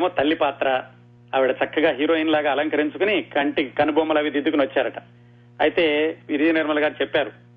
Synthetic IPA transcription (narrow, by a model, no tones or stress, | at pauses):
emoːt̪ɐlːipaːt̪ɾɐ | ɐʋiɽɐt͡ʃɐkːɐɡaːɦiːɾo̞ːinlaːɡaːɐlɐŋkɐɾiɲt͡ʃukunikɐɳʈikɐnubʱoːmɐlɐʋid̪id̪ukunʋɐt͡ʃːaːɾɐʈɐ̥ | ɐ̰jit̪e̞ːʋiɾiɐniɾmɐlɐɡaːɾit͡ʃɛpːaːɾu